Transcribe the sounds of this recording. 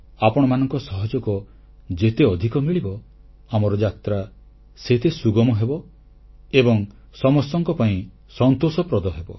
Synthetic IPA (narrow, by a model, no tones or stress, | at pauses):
apɔɽ̃ɔmanɔŋkɔsɔɦɔd͡ʒɔkɔ | d͡ʒet̪eɔd̪ʱikɔmiɭibɔ | amɔɾɔd͡ʒat̪ɾa | set̪esuɡɔmɔɦebɔ | ebɔŋ | sɔmɔstɔŋkɔpaĩ | sɔnt̪osɔpɾɔd̪ɔɦebɔ